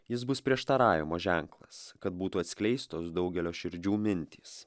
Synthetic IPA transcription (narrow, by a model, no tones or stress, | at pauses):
jɪs̬bʊspʲɾʲiɛʃt̪ɐɾɑːʋʲɪmoːʒʲæŋklˠɐskɐt̪̚buːt̪uːɐt̪ʲsʲkʲlʲɛɪst̪oːsd̪ɒʊɡʲɛlʲoːʃʲɪɾʲd͡ʒʲuːmʲɪnʲt̪ʲiːs